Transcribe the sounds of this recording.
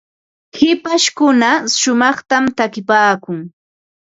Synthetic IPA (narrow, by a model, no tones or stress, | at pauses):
hɪpaʃkʊnaʃʊmɑχt̪amt̪akɪpaːkʊŋ